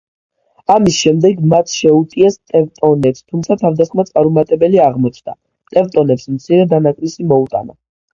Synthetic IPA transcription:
amisʃɛmd̪ɛɡmat̪ʰʃɛut̪ʼiɛst̪ʼɛvt̪ʼɔnɛpst̪ʰumt̪sʰat̪ʰavd̪asχmat̪sʼaɾumat̪ʼɛbɛliaʁmɔt͡ʃʰd̪̥a̰ | t̪ʼɛvt̪ʼɔnɛpsmt̪sʰiɾɛd̪anakʼlisimɔut̪ʼa̰na

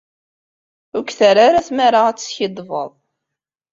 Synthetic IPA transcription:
ʊkθaɾaɾaθmaɾaæt͡sːçid̪ˤvə̰ðˤ

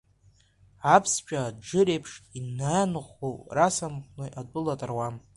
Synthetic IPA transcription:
apʰst͡ʃʷᶣʼad͡ʒɨɾejpʰʂtʼinːaanχʷorasamqʷʼnɨʔadʷʼʊlatʼarwam

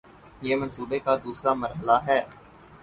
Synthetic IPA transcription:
jeːmɐnsuːbekad̪uːsɾamɐɾɦəlaɦɛː

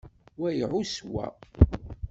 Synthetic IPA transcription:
wæjʕʊswæ̰

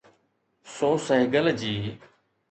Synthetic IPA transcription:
sõːsəɦɪɡəld͡ʒiː

